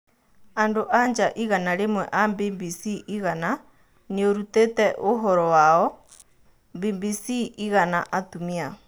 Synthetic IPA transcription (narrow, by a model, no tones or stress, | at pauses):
andoʔaɲd͡ʒaʔiɣanaɾemwɛʔambibisiʔiɣana | nioɾutetɛʔoɦɔɾɔwaɔ | mbibisiiɣana̰ʔatumia